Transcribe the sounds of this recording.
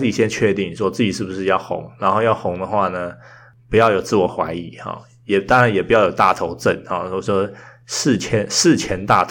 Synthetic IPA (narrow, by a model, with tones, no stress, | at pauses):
i˨˩jɛ˥nt͡ɕʰɥɛ˥˧t̪i˥˩ŋni˨˩wɔ˥t͡sɹ̩˥˩t͡ɕi˨˩ʂɻ̩˥˩bu˩ʂɻ̩˥˧jɑ˥˩ʊxʊ̰˧˥ŋna˧˥nxo˥˧ʊjɑ˥˩ʊxʊ˧˥ŋd̪ə˨xwa˥˩nə˩ | pu˧˥jɑ˥˩ʊjo˨˩ʊt͡sɹ̩˥˩wɔ˨˩xwa̰˧˥ɪi˨˧˦xɑ̰˨˩ | jɛ˨˩t̪ɑ˥ŋɻa˧˦njɛ˨˩pu˧˥jɑ˥˩jo˨˩ʊt̪a̰˥˨t̪ʰo˧˥ʊʈ͡ʂə̰˥˩nhɑ̰˨˩˧ʂwɔ˥ | ʂ̩˥˩t͡ɕʰjɛ˥nʂ̩˥˩t͡ɕʰjɛ˧˥nt̪a˥˩t̪ʰ